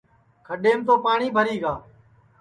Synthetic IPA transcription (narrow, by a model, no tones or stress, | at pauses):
kʰəɗeːmt̪oːpaːɳiːbʱəɾiːɡaː